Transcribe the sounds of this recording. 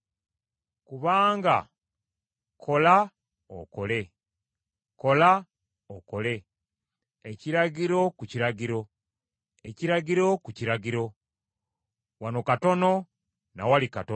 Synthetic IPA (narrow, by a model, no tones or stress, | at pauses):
kuβaːŋɡa | kʰo̞la | o̰ko̞le̞ | ko̞la | okole̞ | eciɾaɟiɾo̞kuciɾaɟiɾo̞ | eciɾaɟiɾo̞kuciɾaɟiɾo̞ | wano̞kato̞no̞ | nawalikato